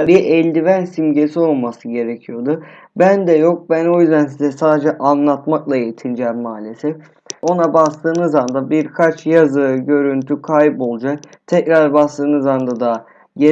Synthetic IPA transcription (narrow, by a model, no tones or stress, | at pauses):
ɾɯjaʔɛlʲd̪ivænsimɟe̞sio̞lˠmasɯɟe̞ɾecʰijo̞d̪ʊ | bænd̪ɛjo̞k̚bæno̞jyzd̪æns̬izɛsaːd̪e̞d͡ʒɛʔanlˠat̪maklˠaejit̪ʰind͡ʒɛːmːaːlʲesɛf | o̞nabast̪ɯːnɯzand̪abiɾkʰat͡ʃjazɯɟø̞ɾynt̪ʰykʰajpo̞lˠd͡ʒak̚t̪ʰɛcɾaɾbast̪ɯːnɯzand̪ad̪a | je